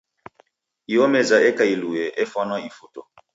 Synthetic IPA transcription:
iɔmɛzaɛkailuɛʔɛfwanɔifotɔ

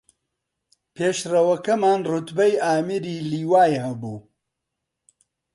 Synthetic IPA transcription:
pʰeːʃrɐwɐkɐmaːnrʊt̪bɐjaːmiɾiːliːwaːjhɐbuː

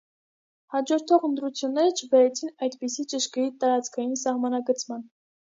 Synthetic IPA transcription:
hɑd͡ʒɔɾt̪ʰɔʁənt̪ɾut͡sʰjunːɛɾət͡ʃʰəbɛɾɛt͡sʰinɑjd̪pisit͡ʃəʃkəjit̪ɑɾɑt͡skʰɑjinsɑhmɑnɑɡət͡sʰmɑn

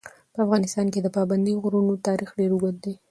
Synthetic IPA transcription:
pəafɣɑnɪst̪ɑnked̪əpɑband̪ioɣɾunot̪ɑɾixɖeɾuɡot̪̚d̪e

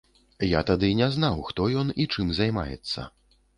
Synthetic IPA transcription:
jat̪ad̪ɨnʲɛznawxt̪ɔjɔnit͡ʂɨmzajma̰jɛ̰t̪sːɐ̰

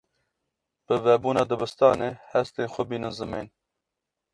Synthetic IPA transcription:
pəvɛbuːnɑːd̪əbəst̪ɑːneːhɛst̪eːnxʷɔbiːnənzɨmḛːn

